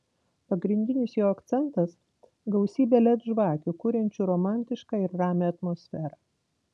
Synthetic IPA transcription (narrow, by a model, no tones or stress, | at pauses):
pɐɡɾʲɪnʲd̪ʲɪnʲɪsjoːɐkt̪sʲɛnˑt̪ɐs | ɡɐʊsʲiːbʲelʲɛt̪ʒʋɑːkʲukʊɾʲɛnʲt͡ʃʲuːɾoːmɑˑnʲt̪ʲɪʃkɑːɪɾːɑːmʲeːɐt̪moːsʲfʲæːɾɑː